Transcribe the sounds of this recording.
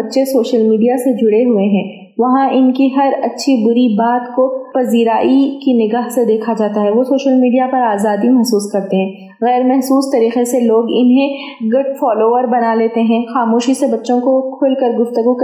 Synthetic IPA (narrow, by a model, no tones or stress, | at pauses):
bɐtːʃesoːʃəlmiːɖijased͡ʒʱʊɽeɦʊeɦɛ̃ː | ʋɐɦãʔɪnkiɦɐɾɐtːʃʰibʊɾibaːt̪kopɐziːɾaːʔikinɪɡaːɦsed̪eːkʰad͡ʒaːt̪aɦɛʋosoːʃəlmiːɖijapɐɾaːzaːd̪imɛɦsuːskɐɾt̪eɦɛ̃ː | ɣɛːɾmɛɦsuːst̪ɐɾiːqeseloːɡɪnɦẽ | ɡʊɖfɔːloːʋəɾbɐnaleːt̪eɦɛ̃ːxaːmoːʃisebɐtːʃõkokʰʊːlkɐɾɡʊft̪əɡuk